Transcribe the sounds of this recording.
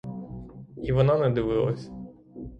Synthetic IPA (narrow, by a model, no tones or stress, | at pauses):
iʋɔnɑnɛd̪ɪʋɪlˠɐ̰sʲ